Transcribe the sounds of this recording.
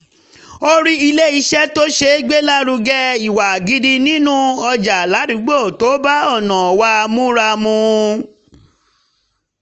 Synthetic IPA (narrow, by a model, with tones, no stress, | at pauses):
o˦ɾi˦i˧le˦i˧ʃɛ˦to˦ʃe˧˦ɡ͡be˦la˦ɾu˧ɡɛ˦i˨wa˨ɡi˧di˧nĩ˦nũ˦ɔ˧d͡ʒa˨la˨˦ɾĩ˨˦ɡ͡bo˦˨to˨˦ba˦ɔ˦˨nã˨ɔ˨wa˧mũ˦ɾa˧mũ˧